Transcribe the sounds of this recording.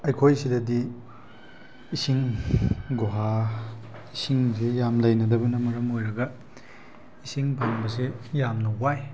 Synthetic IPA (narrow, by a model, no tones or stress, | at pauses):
ɐjkʰojsidɐdi | isiŋ | ɡoɦa | isiŋzejamlɐjnɐdɐbɐnɐmɐɾɐmojɾɐɡɐ | isiŋpʰaŋbɐsejamnɐwaj